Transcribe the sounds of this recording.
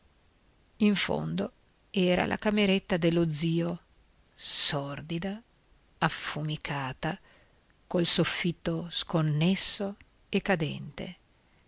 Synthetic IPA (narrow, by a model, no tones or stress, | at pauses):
iɱfo̰nd̪o | ɛːɾa̰lʔa̰kameɾet̪ːad̪elːod̪ziːo | sɔrd̪id̪a | afumikʰaːt̪a | kolsofːit̪ːoskonːesːo | ekːad̪ɛ̰nt̪ḛ